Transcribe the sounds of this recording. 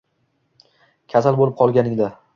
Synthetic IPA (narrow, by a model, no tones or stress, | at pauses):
kʲʰasalbolˠɪp̚qʰɒlˠɡʲanɪŋd̪a